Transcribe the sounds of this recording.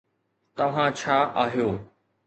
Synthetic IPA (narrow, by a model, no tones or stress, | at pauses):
t̪ɐʋ̤ãt͡ɕʰaːʔaːɦijoː